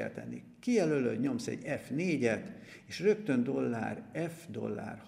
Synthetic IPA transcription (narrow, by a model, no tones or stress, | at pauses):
ɛ̰lt̪ɛ̰nːi | kijɛløløːd̪ɲo̞msɛ̰ɟɛfneːɟɛt̪ | eːʃrø̞k̚t̪ø̞nd̪o̞lːa̰ːrɛfd̪o̞̰lːa̰ːrh